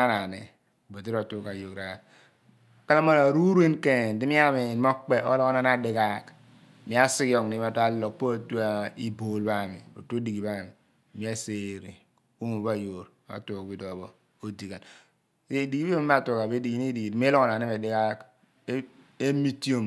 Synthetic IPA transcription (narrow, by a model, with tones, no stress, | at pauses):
a˦na˨nḛ˨ | ba˨ti˦ɾa˨tu˦ka˨jo˨kɾa˨ | ka˦la˦ma˦a˨ɾu˦ɾe˦nke˨n˨di˦ni˦a˦mi˨n˦mo˦k͡pe˦o˦lɔ˦kɔ˦na˦n˦a˦˨di˨ka˦k | mi˨˦a˦si˦kɔ˨ŋni˦m˦a˨ta˦lɔ˨k̚po˦a˨tu˦a˦i˦bo˨lba˦˨mḭ˨bo̰˨to˦di˨ɡi˨ba˦˨mi˨ | mi˨˦a˦se˦ɾḭ˨ | u˦mu˨ba˦˨jo˨ɾ | a̰˨˦tu˨kbi˨dɔ˨bo˦ | o˦di˨ka˨n | se˦˨di˨ɡi˦bi˦mi˦a˨tu˦ka˨be˦di˨ɡi˦i˦di˨ɡi˨m˦lɔ˦kna˨ne˦be˨di˦ka˦k | e˦mi˦ti˦o˦m